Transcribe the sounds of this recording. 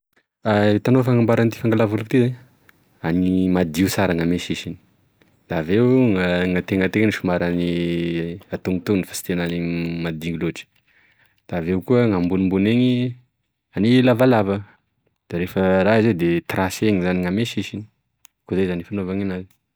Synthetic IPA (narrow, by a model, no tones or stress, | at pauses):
at̪anofaŋambaɾant̪i̥faŋɡalavulkit̪izaɲ | animad̪iusaɾaŋameʃiʃini̥ | d̪̥avewŋaŋat̪eŋət̪eŋəniʃumaɾani | at̪uŋit̪unifḁsi̥t̪enanimad̪iŋɡiloʈ͡ʂi̥ | d̪̥aːvewkuəŋambunimbuneŋi | anilavalavə | d̪̥aɾefəɾaized̪et̪raseŋizaniŋameʃiʃini̥ | kuzajzanifanovaŋanazi̥